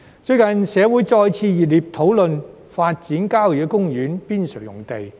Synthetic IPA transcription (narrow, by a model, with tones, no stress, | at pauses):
t͡sɵ˧ɥkɐ˨nsɛː˨˧wuː˨˥jt͡sɔː˧jt͡sʰiː˧jiː˨˩liː˨p̚t̪ʰo˨˥wlɵ˨n | faː˧t̚t͡siː˨˥nkaː˥wjiː˨˥kʊ˥ŋjyː˨˥npiː˥nsɵ˨˩jʊ̰˨˩ŋt̪e˨j